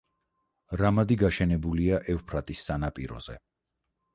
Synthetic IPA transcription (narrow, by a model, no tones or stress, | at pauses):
ɾamad̪iɡaʃɛnɛbuliaʔɛvpʰɾat̪ʼisːanapʼiɾɔ̰z̥ɛ